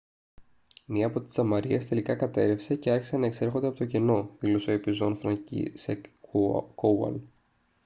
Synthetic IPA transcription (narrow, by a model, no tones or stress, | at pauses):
miɐːpo̞t̪i̥sɐmɐɾiest̪e̞likɐkɐt̪e̞ɾe̞fse̞ceɐɾçisenɐe̞kse̞ɾxo̞nd̪epo̞t̪oceno̞ðilo̞seoepizo̞nfɾɐcḭse | kowɐ̰l